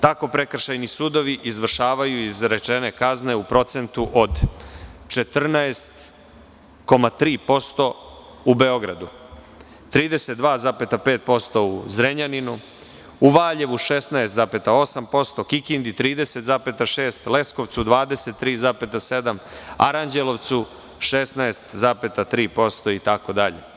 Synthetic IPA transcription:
t̪ako̞pɾe̞kr̩ʃajnisuːd̪o̞ʋiʔizʋr̩ʃaːʋajuizɾe̞t͡ʃene̞kazne̞upɾo̞t̪se̞nt̪uʔod̪ | t͡ʃet̪r̩naest̪ | ko̞mat̪ɾiːpo̞st̪o̞ | ube̞o̞ɡɾa̰d̪u | t̪ɾiːd̪e̞set̪̚d̪ʋaːzape̞t̪ape̞ːt̪̚po̞st̪o̞uzɾeɲaninu | uʋaːʎe̞ʋuʃesnaest̪zape̞t̪ao̞sampo̞st̪o̞kikind̪it̪ɾiːd̪eset̪zape̞t̪aʃe̞ːst̪le̞sko̞ʋt̪sud̪ʋaːd̪e̞se̞t̪ːɾiːzaːpe̞t̪ase̞d̪ama̰ɾaɲd͡ʑelˠo̞ʋt̪su | ʃesnaest̪zaːpe̞t̪at̪ɾiːpo̞st̪o̞it̪ako̞d̪aʎḛ

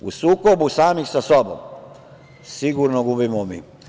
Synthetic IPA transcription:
ṵsuːkobusaːmixsasobo̰m | siɡuɾnoɡubimomḭː

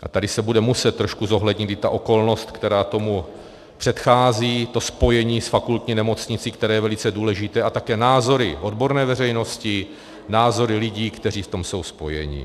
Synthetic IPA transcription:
ʔat̪adɪsɛbudɛmusɛt̪t̪ːɾoʃkuzo̞ɦlɛdɲɪt̪ɪt̪a̰ʔo̞ko̞lno̞st̪kt̪ɛɾaːt̪o̞mu | pr̝̥ɛt̪xaːziːt̪o̞spo̞jɛɲiːsfakult̪ɲinɛmo̞t͡sɲɪt͡siːkt̪ɛɾɛːjɛvɛlɪt͡sɛduːlɛʒɪt̪ɛːʔat̪akɛːnaːzo̞ɾɪ̰ʔo̞dbo̞ɾnɛːvɛrɛjno̞scɪ | naːzo̞ɾɪlɪɟiːkt̪ɛriːft̪o̞mso̞wspo̞jɛ̰ɲɪ̰

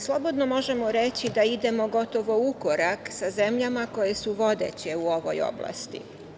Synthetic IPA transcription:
slˠo̞bo̞d̪no̞mo̞ʒe̞mo̞ɾet͡ɕid̪aid̪e̞mo̞ɡo̞t̪o̞ʋo̞uko̞ɾaksaze̞mʎamako̞jesuʋo̞d̪ḛt͡ɕe̞uo̞ʋo̰jo̰blˠa̰st̪ḭ

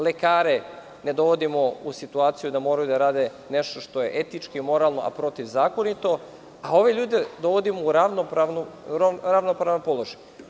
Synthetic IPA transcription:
le̞kaːɾe̞ | ne̞d̪o̞ʋo̞d̪imo̞usit̪uaːt̪sijud̪amo̞ːɾajud̪aɾaːd̪e̞ | ne̞ʃt̪o̞ʃt̪o̞je̞ʔet̪it͡ʃkimo̞ɾalˠno̞̰ʔa̰pɾo̞t̪iʋzaːko̞nit̪o̞ | ao̞ʋe̞ʎuːd̪e̞d̪o̞ʋo̞d̪imouɾaʋnopɾaʋnuoɾaʋnopɾaʋnompo̞lˠo̞ʒaj

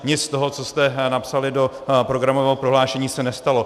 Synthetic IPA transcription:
ɲɪt͡sst̪o̞ɦot͡so̞st̪ɛnapsalɪdo̞ | pɾo̞ɡɾamovɛːɦopɾo̞ɦlaːʃɛɲiːsɛnɛst̪alo̞

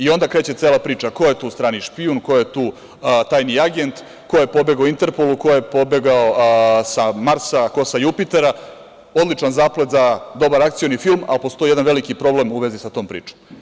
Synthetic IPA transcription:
io̞nd̪akɾe̞ːt͡ɕet̪se̞ːlapɾiːt͡ʃakojet̪uːst̪ɾaːniʃpiunkojet̪uː | t̪aːjniaɡe̞nt̪ | ko̞jepo̞be̞ɡaoint̪eɾpoluko̞jepo̞beɡaosamaɾsako̞sajupit̪e̞ɾa | o̞d̪lit͡ʃanzaːple̞t̪zad̪o̞baɾak̚t̪sijonifilˠma̰lpo̞st̪o̞jijeanʋe̞likipɾo̞ble̞muʋe̞zisat̪oːmpɾḭːt͡ʃom

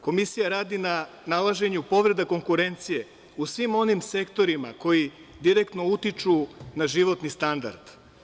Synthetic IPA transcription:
ko̞misijaɾaːd̪ina | nalˠaʒe̞ɲupo̞ʋɾe̞d̪ako̞ŋkuɾe̞nt̪sije̞ | usʋimo̞nimse̞kt̪o̞ɾima̰ko̞ji | d̪iɾekt̪no̞ut̪it͡ʃunaʒiʋo̞t̪nist̪and̪a̰ɾd̪̥

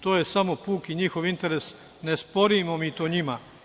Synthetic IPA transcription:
t̪oːje̞samopuːkiɲixo̞ʋint̪e̞ɾe̞s | nespo̞ɾimomit̪oɲima

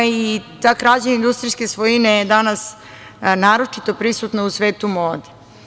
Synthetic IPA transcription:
it̪aːkɾad͡ʑeind̪ust̪ɾiskesʋojinejed̪anas | naːɾo̞t͡ʂit̪opɾisut̪nausʋeːt̪umoːd̪i̥

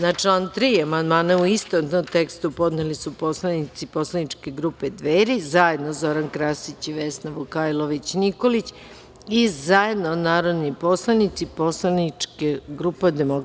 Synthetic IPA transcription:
nat͡ʂant̪ɾiːamand̪maːnauist̪ot̪nomt̪ekst̪upo̞d̪nelisupo̞slˠanit̪sipo̞slˠanit͡ʂke̞ɡɾuːpe̞d̪ʋeɾizaje̞d̪nozo̞ɾankɾasit͡ɕiʋesnaʋukajlˠoʋit͡ɕnikolit͡ɕ | izaje̞d̪nonaːɾod̪nipo̞slˠanit̪sipo̞slˠanit͡ʃkeɡɾupad̪emok

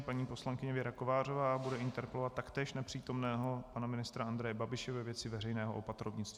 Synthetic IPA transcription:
paɲiːpo̞slaŋkɪɲɛvɪɾakovaːrovaːbudɛʔɪnt̪ɛɾpɛlovat̪ːakt̪ɛːʃnɛpr̝̥iːt̪o̞mnɛːɦo̞panamɪnɪst̪ɾaand̪ɾɛjɛbabɪʃɛvɛvjɛt͡sɪvɛrɛjnɛːɦoʔopat̪ɾovɲɪt͡st̪v

